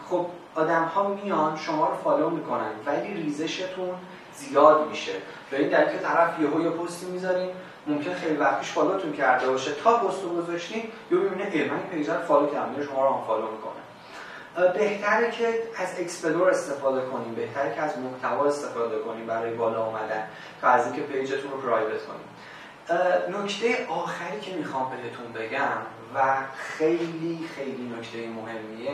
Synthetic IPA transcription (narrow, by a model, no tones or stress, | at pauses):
χob̥̚ | ɒːd̪æmhɒːmijɒnʃo̞mɒːɾofɒːlomikʰo̞nænvæliːriːzeʃe̞t̪ʰun | zijɒːd̪miʃevæiːnd̪æɾicʰet̪ʰæɾæfjeɦojepʰost̪imizɒɾiːn | momcʰe̞nexejlivæxt̪ʰiːʃfɒːlot̪ʰuncʰæɾd̪e̞bɒːʃet̪ʰɒːpost̪oɡozɒʃt̪injobebineelmænipʰejzæɾfɒːlocʰæɾmieʃo̞mɒːɾoamfɒːlomikʰo̞̰nḛ | be̞ht̪ʰæɾecʰeæzekspe̞d̪oɾe̞st̪e̞fɒːd̪e̞kʰo̞niːmbe̞ht̪ʰæɾecʰeæzmoht̪ʰævɒːe̞st̪e̞fɒːd̪e̞kʰo̞niːmbæɾɒːjebɒːlɒumæd̪æn | t̪ʰɒæziːŋcʰe̞pʰe̞jd͡ʒet̪ʰunopʰɾɒːjbe̞t̪kʰo̞̰nḭm | nocʰt̪ʰe̞jeʔɒːxæɾiːcʰe̞mixɒːmbe̞ɦe̞t̪ʰunbe̞ɟæm | væxe̞jliːxe̞jlinocʰt̪ʰe̞jemoɦe̞mːie